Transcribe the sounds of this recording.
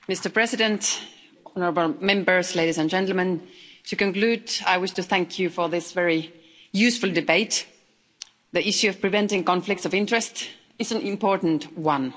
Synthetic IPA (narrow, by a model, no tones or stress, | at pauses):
mɪstə˞pʰɹ̥ɛsɪɾɨ̃nt | ɔnə˞əbl̩ˠmɛ̃mbə˞zleɪɾizɨ̃nd͡ʒɛ̃ntl̩ˠmə̃ntʰɨkɨ̃nkl̥ʉda̰ɪwɪʃtɨθæ̃ŋkʰjɨfə˞ðɪsvɛɹi | jʉsfʊl̩ˠdɨbeɪt̪ | ðiɪʃjʉʌv̥pʰɹ̥ɨvɛ̃ntɪ̃ŋkɑ̃ɱflɪk̚tsʌvɪ̃ntɹ̥ɨst | ɨzɨ̃nɪ̃mpɔɹʔn̩twʌ̃n